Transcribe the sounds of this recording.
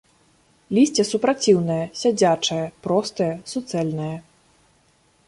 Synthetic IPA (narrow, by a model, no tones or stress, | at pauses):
lʲisʲt͡sʲɛsupɾat͡sʲiwnɐjɐsʲad͡zʲat͡ʂɐjɐpɾɔst̪ɐjɐsut̪sɛlʲnɐjɐ